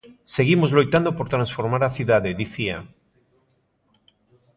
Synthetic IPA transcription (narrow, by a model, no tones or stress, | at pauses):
se̞ɣimozlojt̪and̪opo̞ɾt̪ɾãnsfo̞ɾmaɾaθjuðaðeðiθia